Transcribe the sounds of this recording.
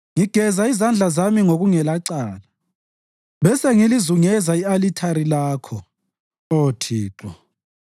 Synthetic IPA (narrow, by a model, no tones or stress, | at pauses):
ŋiɡ̥ʱɛzaizand͡ɮʱazamiŋoɣuŋɛlaǀaːla | βɛsɛŋilizuŋɛzaialitʰaɾilaːkʰɔ | otʰiːǁɔ